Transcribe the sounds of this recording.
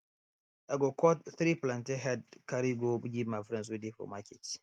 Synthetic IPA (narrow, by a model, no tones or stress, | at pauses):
ʔaɡɔkɔtθɾiplãnteɦɛdkaɾiɡobɡʲimafɾɛ̃ns̬widifɔ̰maket